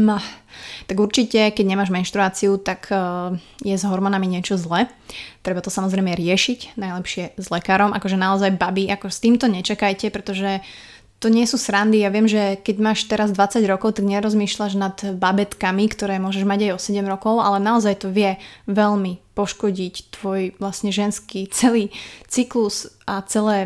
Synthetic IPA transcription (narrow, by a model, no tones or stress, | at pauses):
mat̪aɡuɾt͡ʃicɛkɛɟɲɛmaːʒmɛnʃt̪ɾuaːt͡siut̪akː | jɛzɦɔɾmɔnamiɲɪɛt͡ʃɔzlɛt̪ɾɛbat̪ɔsamɔzɾɛjmɛɾɪɛʃicnajlɛpʃɪɛzlɛkaːɾɔmʔa̰kɔʒɛnaɔzajbabiʔakɔst̪iːmt̪ɔɲɛt͡ʃakajcɛpɾɛt̪ɔʒɛ | t̪ɔɲɪɛsuːsɾand̪ijaʋɪɛmʒɛkɛɟmaːʃt̪ɛɾazd̪ʋat͡saɟɾɔkɔʊt̪aɡɲɛɾɔzmiːʃlaʒnad̪babɛt̪kamikt̪ɔɾɛːmʊɔʒɛʒmaɟajɔsɛɟɛmɾɔkɔʊa̰lɛnaɔzajt̪ɔʋɪɛʋɛʎmipɔʃkɔɟict̪ʋɔjʋlasɲɛʒɛnskit͡sɛliːt͡siklusʔat͡sɛlɛː